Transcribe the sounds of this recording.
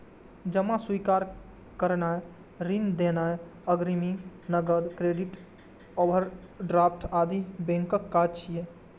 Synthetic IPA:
d͡ʒəmaswikaɾ | kəɾnae | ɾind̪enaəɡɾiminəɡəd̪kɾeɖiʈ | obəɾ | ɖɾap̚ʰʈad̪ibẽŋkəkːaɾt͡ʃʰije

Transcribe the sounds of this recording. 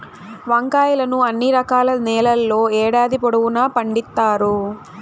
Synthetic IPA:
ʋɐŋkaːjɐlɐnuɐnːiɾɐkaːlɐnɛːlɐlːo̞ːɛːɽaːd̪ipoɽɐwunaːpɐɳɖit̪ːaːɾu

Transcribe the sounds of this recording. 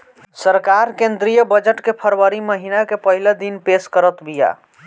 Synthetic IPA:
səɾkaɾkẽnd̪ɾijəbəd͡ʒəʈkepʰəɾwəɾiməɦinakepəɦiled̪inpeskəɾət̪bija̰

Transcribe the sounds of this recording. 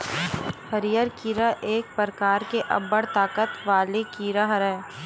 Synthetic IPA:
həɾijəɾkiːɾaʔeːk̚pəɾkaːɾkeʔɐ̰bːəɽt̪aːkət̪ʋaːlekiːɾaɦɾɛː

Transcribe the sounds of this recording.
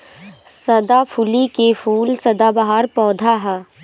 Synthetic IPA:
sɐd̪apʰʊlikefʰuːlsɐd̪abɐɦaːɾpɔːd̪ʱaɦɛ

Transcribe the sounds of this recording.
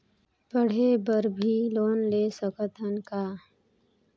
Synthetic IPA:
pəɽ̤eːbəɾbʱiːloːnleːsəkət̪ənkaː

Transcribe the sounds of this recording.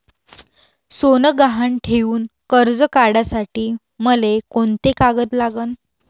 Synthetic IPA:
sonəɡaɦaɳʈʰeʋuːnkəɾd͡zəkaɽasaʈiː | məlekoɳt̪ekaɡət̪laɡən

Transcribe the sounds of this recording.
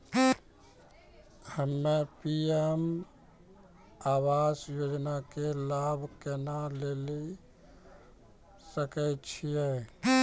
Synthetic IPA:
həmːepiem | aːwaːsjoːd͡ʒnakelaːbʱkenaleːli | səkɛt͡ʃʰije

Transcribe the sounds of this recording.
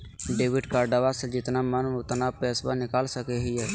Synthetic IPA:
ɖeːʋɪɖkaɾɖəʋased͡ʒɪt̪namənʊt̪napɛːsbanɪkaːlsəkeɦiɦɛː

